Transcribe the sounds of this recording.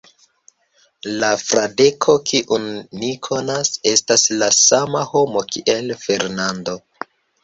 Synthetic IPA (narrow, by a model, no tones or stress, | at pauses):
lafɾade̞kʰo̞kʰiʔunːikʰo̞nase̞staslasamaho̞mo̞kʰiʔe̞lfe̞ɾnando̞